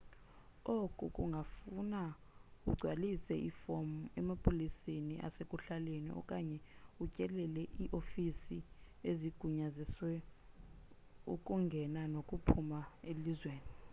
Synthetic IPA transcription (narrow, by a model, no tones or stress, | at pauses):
okʼukʼuŋɡʱafuna | uɡ͡ǀʱwalisɛʔifomɛmapʼoliseniʔa̰sekʼuɬalenḭʔɔ̰kʼaɲɛucʼɛlɛlɛʔiʔofisi | eziɡ̥ʱuɲaziswɛ | ṵkʼuŋɡʱɛnanokʼupʰumaelizweːni